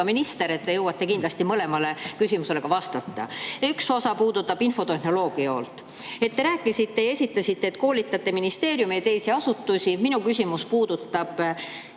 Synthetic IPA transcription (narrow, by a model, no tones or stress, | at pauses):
ɑminist̪e̞ɾet̪ːe̞jɤwːɑt̪ˑːe̞kind̪lɑsʲt̪imɤle̞mɑle̞kysʲimuse̞le̞ɡɑvɑst̪ɑt̪ˑːɑ̰ykso̞sɑpuːd̪̥ut̪ːˑɑb̥info̞t̪e̞hno̞lo̞ːɡ̥iɑo̰lt̪ːˑ | e̞t̪ːeɾæːkːˑisit̪ːe̞jɑe̞sʲit̪ːˑɑsit̪ːeːt̪ko̞ːlit̪ːˑɑt̪ːe̞minist̪e̞ːɾjumejɑt̪e̞jsiɑsut̪ːusʲiminukysʲimuspuːd̪̥ut̪ːɑb̥